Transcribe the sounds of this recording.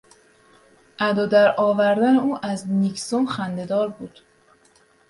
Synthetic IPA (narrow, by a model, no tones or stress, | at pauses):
ʔæd̪ɒːd̪æɾɒːvæɾd̪æneuːʔæzniksomxænd̪e̞d̪ɒːɾbuːd̪̥